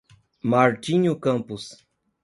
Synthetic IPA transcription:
maɾt͡ʃiɲokampʊs

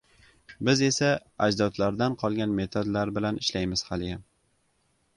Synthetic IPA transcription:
bɪze̞saad͡ʒd̪ɒt̪laɾd̪anqʰɒlˠɡʲanme̞t̪ʰod̪laɾbɪlanɪʃlajmɪz̥halɪjam

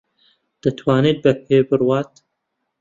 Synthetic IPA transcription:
d̪̥ɨt̪ʰwaːneːt̪̚bɐpʰeːbɨrwaːt̪

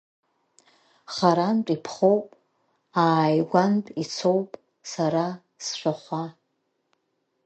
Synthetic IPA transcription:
χaɾant͡pʼipʰχo̞wpʼ | aːjɡʷantʼit͡sʰo̞wpʼ | saɾa | sʃʷᶣaχʷa

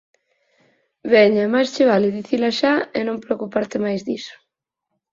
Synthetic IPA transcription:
βɛɲamajst͡ʃɪβalɪðiθilaʃaenõmpɾeokupaɾt̪ɪmajzðiso̥

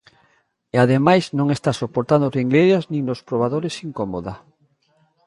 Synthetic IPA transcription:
eaðemajznõŋest̪asopoɾt̪and̪orĩŋɡleɾaznĩŋnospɾoβ̞aðoɾesiŋkomoða

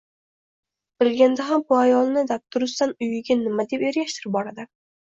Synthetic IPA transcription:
b̥ɪlɡʲand̪aɦambʊajɒlˠnɪd̪ap̚t̪ʰʊɾʊst̪anʊjɪɡʲanɪmad̪e̞peɾɡʲaʃt̪ʰɪɾɪp̚bɒɾad̪ɪ

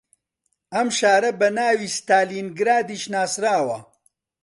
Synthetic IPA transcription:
ɐmʃaːɾɐbɐnaːwiːst̪aːliːnɡɾaːd̪iːʃnaːsɾaːwɐ

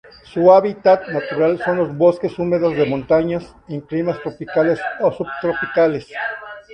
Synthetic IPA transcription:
suaβit̪at̪nat̪uɾalso̞nlo̞zβo̞ske̞sume̞ðo̞zðe̞mõ̞nt̪aɲas | impɾimast̪ɾopikalesosubt̪ɾo̞pikale̞s

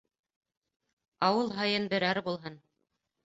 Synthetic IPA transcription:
ɑwɤlˠɦɑjɤnbɘ̆ɾæɾbulˠɦɤn

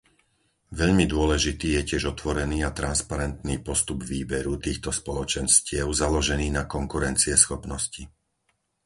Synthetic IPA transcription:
ʋɛʎmid̪ʊɔlɛʒit̪iːjɛcɪɛʒɔt̪ʋɔɾɛniːat̪ɾanspaɾɛnt̪niːpɔst̪ubʋiːbɛɾut̪iːxt̪ɔspɔlɔt͡ʃɛnscɪɛʊzalɔʒɛniːnakɔŋkuɾɛnt͡siɛsxɔpnɔsci

